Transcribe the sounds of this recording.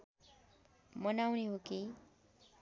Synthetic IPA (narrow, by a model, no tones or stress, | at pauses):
mʌnawniɦoki